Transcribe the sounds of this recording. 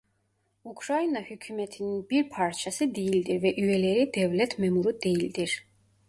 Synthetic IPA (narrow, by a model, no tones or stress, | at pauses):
ukʰɾainahykʰymɛt̪ʰinibiɾpʰaɾt͡ʃʰasid̪iːld̪iɾvɛʔyɛlɛɾid̪ɛvlɛt̪ʰmɛmuɾud̪ɛild̪ɛɾ